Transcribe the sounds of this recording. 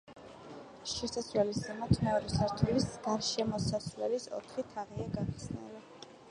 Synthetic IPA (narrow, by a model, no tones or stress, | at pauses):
ʃɛsasɾwɛlisd̪ɛmat̪ʰmɛɔɾɛsaɾt̪ʰɛlisɡaɾʃɛmɔsasvlɛlisɔ̰t̪ʰχit̪ʰaʁiaɡaʁiχsnɛ̰li